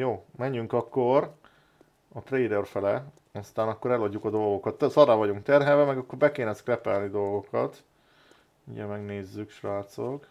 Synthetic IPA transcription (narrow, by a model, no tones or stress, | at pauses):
joːmɛɲːyŋkɒkːor | ɒt̪rejd̪ɛrfɛlɛ | ɒst̪aːnɒkːo̞ɾɛloɟːukɒd̪o̞lɡo̞kɒt̪ːsɒrːaːvɒɟuŋkt̪ɛrɦɛvɛmɛɡɒkːo̞rbɛkeːnɛskrɛpɛlnid̪o̞lɡo̞kɒt̪ | ṵɟɛ̰mɛɡneːzːykʃraːt̪sok